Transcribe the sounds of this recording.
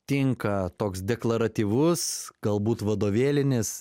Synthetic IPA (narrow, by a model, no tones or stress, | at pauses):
t̪ʲɪŋkɐt̪oːksd̪ʲɛklˠɐɾɐt̪ʲiːʋʊsɡ̥ɐlˠbuːt̪ʋɐd̪oːʋʲeːlʲɪnʲɪs